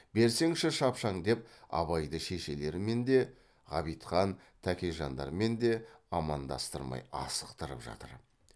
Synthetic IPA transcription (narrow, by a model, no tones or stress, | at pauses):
be̞ɾse̞ŋʃɪʃɑpʃɑɴd̪e̞p̚ɑ̰βɑjd̪əʃe̞ʃe̞le̞ɾɪme̞nd̪e̞ | ʁɑ̰βijt̪qɑn | t̪ʰækʲe̞jʒɑnd̪ɑ̰ɾme̞nd̪e̞ɑmɑnd̪ɑ̰st̪əɾmɑ̰jɑ̰sə̥qt̪əɾə̰pʒɑ̰t̪ə̰ɾ